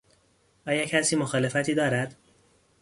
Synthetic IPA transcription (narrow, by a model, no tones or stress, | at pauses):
ʔɒːjɒːcʰæsiːmoxɒːle̞fæt̪ʰiːd̪ɒːɾæd̪̥